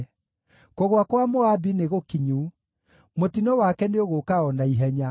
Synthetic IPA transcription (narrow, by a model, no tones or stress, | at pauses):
koɣwakwamoabineɣokiɲuː | motinɔwakɛneoɣokaɔnaiɦɛɲa